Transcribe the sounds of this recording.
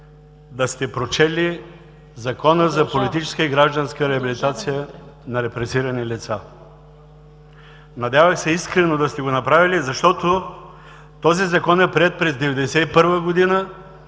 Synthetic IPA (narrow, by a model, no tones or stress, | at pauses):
d̪ɐst̪ɛpɾot͡ʃɛli | zɐkɔnəzɐpolit̪it͡ʃɛ̥skəiɡɾaʒd̪ənskəɾɛɐbilit̪at̪sijənɐɾɛpɾɛsiɾɐnilit̪sa | nɐd̪ʲjavɐxsɛiskɾɛnod̪ɐst̪ɛɡonɐpɾavilizɐʃt̪ɔt̪o | t̪ɔzizɐkɔnɛpɾiɛt̪̚pɾɛzd̪ɛvɛd̪ɛsɛipɤɾvəɡod̪inə